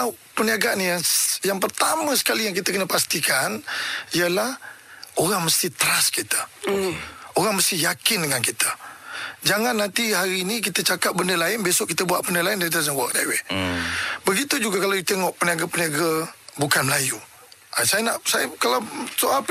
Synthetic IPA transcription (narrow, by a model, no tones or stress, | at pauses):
a | pəniaɡanijaŋjaŋpərt̪amə̃sə̥kalijaŋkit̪əkənəpast̪ikaniəlahoɾaŋməst̪it̪əɾaskit̪ə̥ | oɾaŋməst̪ijakɪndəŋankit̪ə̥ | d͡ʒaŋanːant̪iɦaɾiːnik̬it̪ət͡ʃakap̚bəndəlaɪnbesɔʔkit̪əbuaʔbəndəlaɪndadazənwək̚da̰we | bəɡit̪ud͡ʒuɡakalawit̪eŋɔʔpəniaɡapəniaɡabukanməlaju | ʔasajənaʔsajəkalawsoʔalp